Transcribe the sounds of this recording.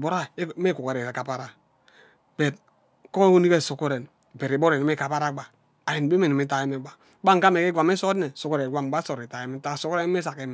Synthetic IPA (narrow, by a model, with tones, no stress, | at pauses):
bo˨ɾa˦me˦ku˨ke˨ɾe˨ɾe˨ka˨pa˦ɾa˨ | b̥e˨t̚ | ko˦o˦ni˦ke˦˨so˨ko˦ɾe˨n˨ | be˨ɾi˨bo˦ɾe˨ni˦me˦˨ka˨pa˦ɾa˦ɡ͡ba˨ | a˨je˨n˨be˦me˨ni˨mi˦ta˨je˦me˦ɡ͡ba˨˦ba˦ŋka˦me˨ke˦ɡʷa˨me˦so˦dne˨so˨ko˦ɾe˨ɡʷa˦˨m˨ɡ͡ba˦so˨ɾi˨ta˨je˨me˦ta˦˨so˦ko˦ɾe˦n˦me˦sa˨ke˦m˨